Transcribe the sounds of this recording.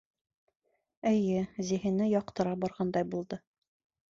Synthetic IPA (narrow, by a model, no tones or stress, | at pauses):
ɘ̆jɘziɦɘ̆nɘjɒqt̪ɤ̆ɾɑbɒɾʁɑnd̪ɑjbulˠd̪ɤ